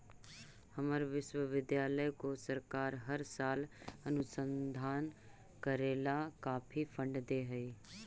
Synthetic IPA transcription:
həməɾʋɪʃwəʋɪd̪jaːləjkosəɾkaːɾɦəɾsaːlənʊsə̃nd̪ʱaːn | kəɾeːlakaːpʰipʰə̃ɳɖd̪eːɦəiː

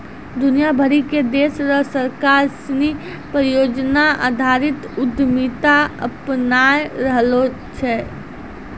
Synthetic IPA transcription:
d̪ʊnijabʱəɾiked̪eːsɾəɦsəɾkaɾsni | pɾjoːd͡ʒnaa̰d̪ʱaɾɪt̪ʊd̪ʱmit̪aə̰pnajɾəɦlo | t͡ʃʰɛ

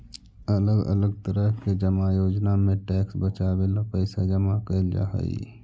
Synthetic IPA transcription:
ələɡə̰ləɡ̚t̪əɾəɦked͡ʒəmajoːd͡ʒnamẽʈɛːksbət͡ʃaːbelapəɪsad͡ʒəmakəld͡ʒa̰ːɦə̰ḭ

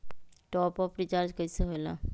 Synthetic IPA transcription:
ʈɔpɔfɾit͡ʃaɾd͡ʒkəjsəɦojla̰

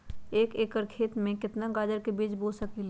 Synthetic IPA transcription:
eːkeːkəɾkʰeːt̪mẽkɪt̪naɡaːd͡ʒəɾkebiːd͡ʒboːsəkil

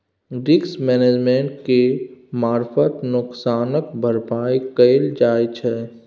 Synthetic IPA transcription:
ɡɪksmɛːneːd͡ʒmẽːɳʈkemaːɾfət̪nʊksaːnək̚bʱəɾpaːikəld͡ʒaːt͡ʃʰɛː

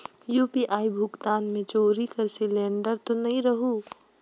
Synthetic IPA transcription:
juːpiːʔaːibʱʊɡt̪aːnmẽt͡ʃoːɾikɐɾsɪlẽːɳɖəɾt̪onɐɦĩɾɐɦuː

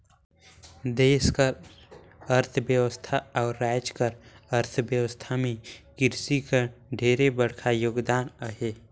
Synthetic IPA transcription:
d̪eːskəɾ | əɾt̪ʰbjəwəst̪ʰaɔːɾːaːjd͡ʒkəɾəɾt̪ʰbjəwəst̪ʰamẽkɪɾsikəɖʱeːɾebəɽ̤kʰajoːɡd̪aːnəɦeː

